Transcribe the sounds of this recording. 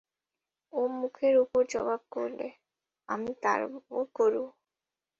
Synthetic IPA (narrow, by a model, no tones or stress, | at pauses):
omukʰeɾupoɾd͡ʒɔbab̚koɾle | amit̪a̰ɾbokoɾu